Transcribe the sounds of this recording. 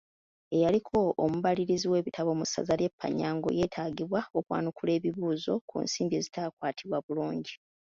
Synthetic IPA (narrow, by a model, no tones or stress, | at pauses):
e̞jalikʰo̞ːmuβaliɾiziwe̞ːβitaβo̞musa̰zalje̞pʰːa̰ɲːaːŋɡo̞̰je̞ːtʰaːɡiβwaokwa̰ːnukule̞ːβiβuːzo̞kṵnsiːmbe̞zitaːkwaːtʰiβwaβuluːɲɟi